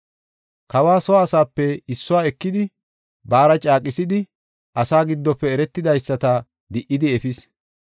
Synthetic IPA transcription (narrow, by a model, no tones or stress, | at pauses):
kɐwaːsɔaːsaːpːɛɪsːʊwaːɛkːɪd̪ɪ | baːɾɐt͡ʃʼaːkʼɪsɪd̪ɪ | ʔɐsaːɡɪd̪ːɔpːɛɛɾɛt̪ːɪd̪ɐjsːɐt̪ɐ | d̪ɪʔɪd̪ɪɛfɪs